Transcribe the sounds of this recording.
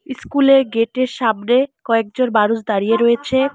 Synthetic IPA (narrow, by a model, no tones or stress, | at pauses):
skuleɾɡeʈeɾʃabnekɔek̚d͡ʑoɾbaɾud͡ʑd̪aɾijeɾɔet͡ɕʰe